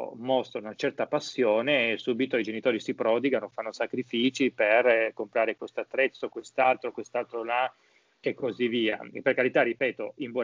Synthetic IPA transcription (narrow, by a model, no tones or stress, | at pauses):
mɔst̪ɾaunat͡ʃɛrt̪apasːjoːnesuːbit̪oid͡ʒenit̪oːɾisipɾɔːd̪iɡanofanːosakɾifiːt͡ʃiperkompɾaːɾekwest̪oat̪ːɾɛt̪sːokwest̪alt̪ɾokwest̪alt̪ɾola | ekːozivːiːa̰pːerkaɾit̪arːipɛːt̪oimbɔ